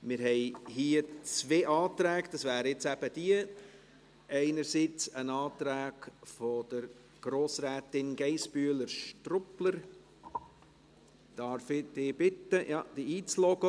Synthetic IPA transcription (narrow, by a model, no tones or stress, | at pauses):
mɪɾhɛɪɦiət͡sveːʔɑːt̪ɾæːɡd̪̥ɑsvæːɾəjɪt͡sæb̥əd̥iə | ɛɪnəɾsit͡sənɑːtɾæːɡ̥fɔd̪̥əɾ | ɡ̥ɾoːsɾɛːtɪnɡ̥ɛɪsb̥yələɾʃtrʊpləɾ | d̥ɑɾfɪd̥̪ɪːb̥ɪtəjʔɑ̰ːd̥̪iiːt͡slɔɡə